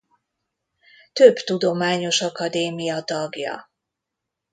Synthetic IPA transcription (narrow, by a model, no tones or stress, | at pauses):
t̪øbt̪ud̪o̞maːɲo̞ʃɒkɒd̪eːmijɒt̪ɒɡjɒ̰